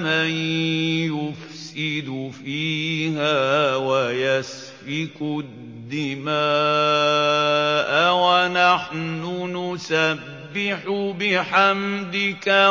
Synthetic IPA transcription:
manjʊf | sɪd̪ʊfiːɦaːwajas | fɪkʊ | dd̪ːɪmaː | ʔawanaħnʊnʊsabːɪħʊbɪħamd̪ɪka

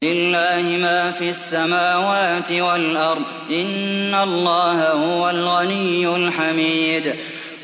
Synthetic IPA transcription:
ɪlːaːhɪmaːfiasːamaːwaːt̪ɪwalʔɑɾˤd̪ˤʔɪnːalːɑːhahʊwalɣanijːʊlħamiːd̪

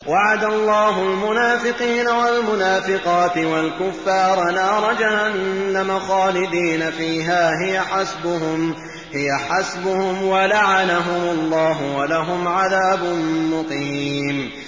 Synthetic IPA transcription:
waʕad̪alˤːɑːɦʊlmʊnaːfɪqiːnawalmʊnaːfɪqɑːt̪ɪwalkʊfːɑːɾˤɑnɑːɾˤɑd͡ʒahanːamaxɑːlɪd̪iːnafiːɦaːɦɪjaħasbʊɦʊm | hɪjaħasbʊhʊmwalaʕanaɦʊmʊlˤːɑːɦʊwalaɦʊmʕaðaːbʊnmʊqiːm

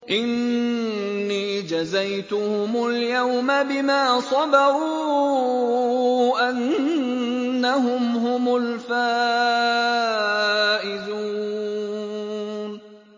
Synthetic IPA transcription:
ʔɪnː | iːd͡ʒazajt̪ʊhʊmʊljawmabɪmaːsˤɑdɑɾuː | ʔan | aɦʊmɦʊmʊlfaː | ʔɪðu | n

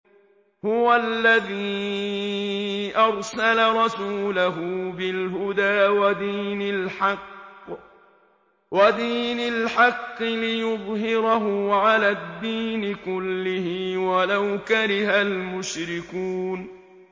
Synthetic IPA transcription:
hʊwalːaðiː | ʔɑɾˤsalaɾˤɑsuːlaɦʊbɪlɦʊd̪aːwad̪iːnalħɑqː | wad̪iːnalħɑqːɨlɪjʊðˤɦɪɾaɦʊʕalaːd̪ːiːnɪkʊlːɪhɪwalawkaɾɪhalmʊʃɾɪkuːn

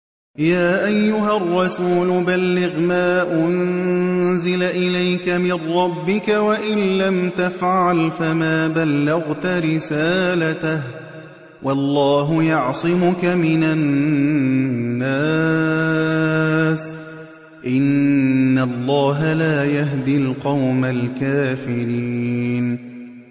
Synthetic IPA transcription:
jaːʔajːʊɦarˤːɑsuːlʊbalːɪɣmaːʔʊn | zɪlaʔɪlajkamɪnːɑbːɪkawaʔɪnːamt̪afʕalfamaːbalːɪɣt̪aɾɪsaːlat̪ah | wɑlˤːɑːɦʊjɑʕsˤɪmʊkamɪnan | aː | s | ʔɪnː | alˤːɑːɦalaːjaɦd̪ɪlqɑwmalkaːfɪɾiːn

